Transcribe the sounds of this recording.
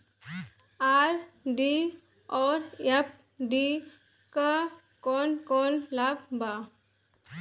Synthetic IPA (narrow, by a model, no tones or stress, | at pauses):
aːɾɖi | ɔːɾjap̚ | ɖi | kə | kɔːnkɔːnlab̚ba